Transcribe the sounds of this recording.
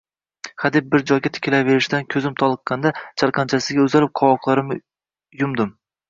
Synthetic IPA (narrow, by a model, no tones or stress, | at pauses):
χad̪ɪp̚bɪɾd͡ʒɒjɡʲat̪ʰɪ̥kʲɪlave̞ɾɪʃd̪ankʲʰɵzɪmt̪ʰɒlˠɨqːɑnd̪at͡ʃʰaɾqʰɑnt͡ʃʰasɪɡʲaɵzalɪp̚qʰɒwɒqlˠaɾɪm | jʊmd̪ɪm